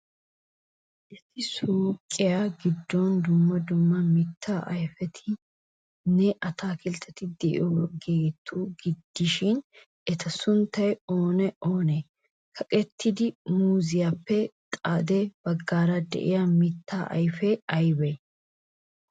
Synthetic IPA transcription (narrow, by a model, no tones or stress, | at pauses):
ʔɪsɪsuːkʼːɪjaɡɪd̪ːɔnd̪ʊmːɐd̪ʊmːɐmɪt̪ʰːaːʔɐjfɛt̪ʰɪ | nɛʔɐt̪aːkɪlt̪ʰːɐt̪ɪd̪ɛʔɪ̰ʔɔɡeːt̪ʰːuːɡɪd̪ːɪʃɪn | ɛt̪ʰɐsʊnt̪ːɐjoːnɛoːne | kʰɐkʼɛt̪ʰːɪd̪ɪmuːzɪjapːɛt̪ʼaːd̪ɛbɐɡːaːɾɐd̪ɛ̰ʔɪ̰jamɪt̪ʰːaːʔɐ̰jfɛɐjbɛ